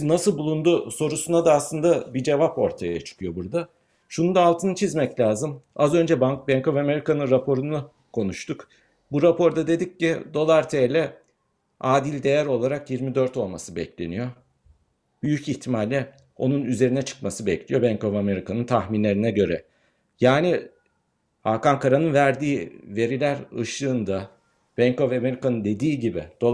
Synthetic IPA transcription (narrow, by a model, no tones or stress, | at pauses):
nasɯlˠbulˠund̪uso̞ɾusunad̪aːslˠɯnd̪abid͡ʒe̞vapo̞ɾt̪ʰajaat͡ʃʰɯ̥kʰɯjo̞buɾd̪a | ʃunund̪aːlˠt̪ʰɯnɯt͡ʃʰizmɛclʲaːzɯmazø̞nd͡ʒɛbaŋk̚bɛŋkʰo̞vame̞ɾikʰanɯnɾapʰo̞ɾunu | kʰo̞nuʃt̪uk | buɾapo̞ɾd̪ad̪e̞d̪ic̚ːid̪o̞lˠaɾt̪ʰejlʲɛ | aːd̪ilʲd̪e̞jæɾo̞lˠaɾakjiɾmid̪ø̞ɾt̪o̞lˠmasɯbɛ̰clʲe̞̰nijo̞ | b̥yjyciçt̪ʰimalʲːɛ | o̞̰nunyze̞ɾinɛt͡ʃʰɯ̥kmasɯbɛclʲijo̞bɛɲko̞vame̞ɾikʰanɯnt̪ʰaxminlʲe̞ɾinɛɟø̞ɾɛ | jaːni | hakankaɾanɯnvæɾd̪iːve̞ɾilʲæɾɯ̰ʃɯːnd̪a | b̥ɛɲko̞vame̞ɾikanɯnd̪e̞d̪iːɟibɪ̰d̪̥o